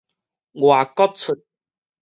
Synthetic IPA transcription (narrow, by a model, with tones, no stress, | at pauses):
ŋwaː˨˩kɔ˦˥t̚t͡sʰʊ˨t̚